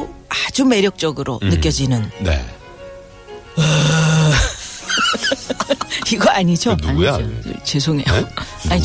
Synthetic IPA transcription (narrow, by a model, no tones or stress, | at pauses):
oad͡ʑume̞ɾjʌk̚t͡ɕ͈ʌɡɯɾonɯk͈jʌd͡ʑinɯnnḛ | ʌ | iɡʌaɲid͡ʑonuaɲɡujao̰t͡ɕes̬ʰoŋejaɲi